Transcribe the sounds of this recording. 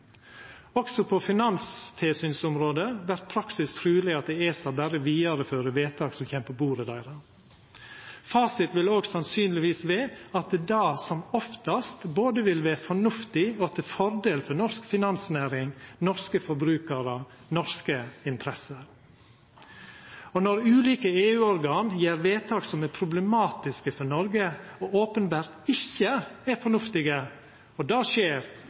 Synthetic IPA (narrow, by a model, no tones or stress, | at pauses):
ɔksɔpʰɔfɪnɑnst̪ʰɪlsyːnsʊmɾoːd̪əʋæɾt̪̚pʰɾɑksɪskfʰɾʉːlɪɑt̪̚d̪ɛeːsɑbæɾəʋiːɑɾəføːɾəʋeːt̪ʰɑːksɔmçɛmpəbuːɾəd̪æɪɾə | fɑːsɪt̪ʋɪloːɡsɑnsyːnlɪʋiːsʋeːɑt̪̚d̪d̪ɑːsɔmɔft̪ɑst̪boːd̪əʋɪlʋæːɾfɔɳʉft̪ɪɔt̪ʰɪlfɔɾd̪eːlfɔnɔʂskfɪnɑnsnæːɾɪŋnɔɾskəfɔɾbɾʉːkəɾə | nɔɾskəɪnt̪ʰɾɛsəɾ | ɔnɔɾʉːliːkəeːʉːɔɾɡɑːnjeːɾʋeːt̪ʰɑːksɔmæɾpʰɾʊblɛmɑːt̪ɪskəfɔɳɔɾɡəɔoːpənbæːɾt̪ɪçːəæɾfɔɳʉft̪ɪɡə | ɔd̪ɑːʃeːɾ